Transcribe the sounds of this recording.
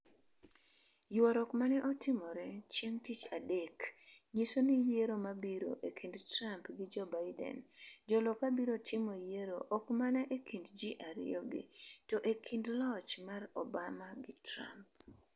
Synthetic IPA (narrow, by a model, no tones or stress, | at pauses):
jwɔɾɔkmanɛʔɔtɪmɔɾɛt͡ʃjeŋtit͡ʃadɛkɲisonijeɾomabiɾo̰ʔekʰindtɾampɡɪd͡ʒɔbaɪdɛ̰nd͡ʒɔlɔkabiɾotʰɪmojeɾoʔɔkmanaʔekʰindd͡ʒiʔaɾɪ̰ɔɡḭtɔʔekʰindlɔt͡ʃmarɔbamaɡɪtɾa̰mp̚